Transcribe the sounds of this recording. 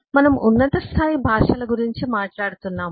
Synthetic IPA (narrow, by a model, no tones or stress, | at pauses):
mɐnɐmunːɐt̪ɐst̪ʰaːjibʱaːʂɐlɐɡuɾiɲt͡ʃimaːʈlaːɽut̪unːaːm